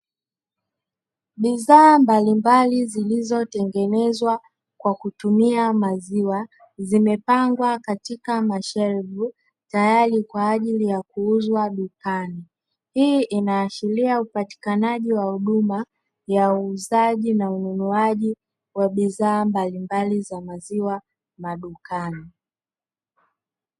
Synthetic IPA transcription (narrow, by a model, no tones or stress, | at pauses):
ɓiðaːmbalimbalizilizɔtɛŋɡɛnɛzwa | kwakutumiamaziwa | zimɛpaŋɡwakatikamaʃɛɾvu | tajaɾikwaːʄilijakuuzwaɗukani | hiʔinaːʃiliaupati̥kanaʄiwahuɗuma | jauːzaʄinaununuaʄi | waɓiðaːmbalimbalizamaziwa | maɗukani